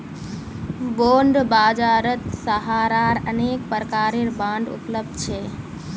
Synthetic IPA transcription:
boːɳɖbaːd͡ʒaːɾət̪səɦaːɾaːɾəneːk̚pəɾkaːɾiɾbãːɳɖʊ̰pləb̚d̪t͡ʃʰeː

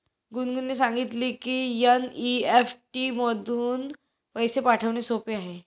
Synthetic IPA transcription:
ɡunɡunlesãŋɡit̪liːkiːjaniefʈiməd̪ʱuːn | pəjsepaʈʰəʋnesopeaɦe

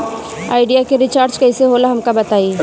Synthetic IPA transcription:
a̰ːɪɖijakeɾɪt͡ʃaːɾt͡ʃkɐɪseɦoːlaɦɐmkabɐt̪aːi

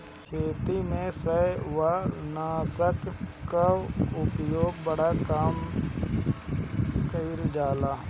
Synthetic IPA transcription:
kʰeːt̪imẽsəʋanaːsəkkaʊpjoːɡbəɽakaːm | kəiɾd͡ʒaːlaː

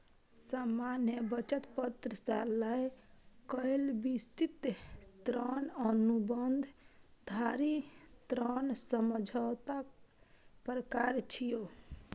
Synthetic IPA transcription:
səmanjebət͡ʃət̪pət̪ɾəsaləjkəilbist̪it̪t̪ɾənənubənd̪ʱd̪ʱaɾit̪ɾənsəməd͡ʒʱəwt̪ak | pɾəkaɾt͡ʃʰijo

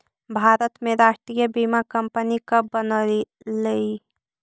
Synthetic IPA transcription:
bʱaːɾət̪meɾaːʃʈɾijəbimakəmpənikəbənə | lei

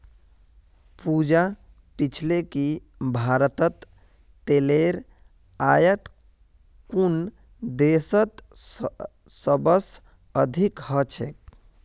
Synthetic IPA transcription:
pud͡ʒa | pit͡ʃʰleki | bʱaɾt̪ət̪ː | eleɾ | ajət̪ | kun | d̪esət̪ | əbəs | əd̪ʱikhət͡ʃʰḛk

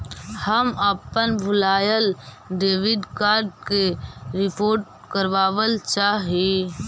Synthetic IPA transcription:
həməpːənbʱʊlaːjəl | ɖeːʋɪɖkaːɾɖ̚keɾɪpoːɾʈ̚kəɾʋaːʋəlt͡ʃaːɦe

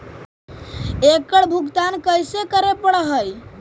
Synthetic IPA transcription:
ekəɽbʱuɡt̪ankəjsekəɾepəɽəɦəj

